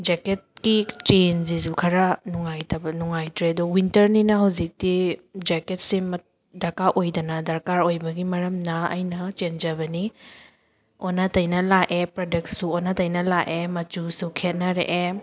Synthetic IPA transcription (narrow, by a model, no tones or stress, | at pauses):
d͡ʒeket̚kit͡ʃenzis̬ukʰɐɾɐnuŋajtʰɐbɐnuŋajtɾedɔwintɐɾninɐɦɐwzik̚tid͡ʒeket̚simɐ | dɐɾkaʔojdɐnɐdɐɾkaɾojbɐɡimɐɾɐmnɐɐ̰jnɐt͡ʃend͡ʒɐβɐni | onɐtɐjnɐlaʔepɾadek̚tsuonɐtɐjnɐlaʔʔemɐt͡ʃusukʰet̚nɐɾḛʔe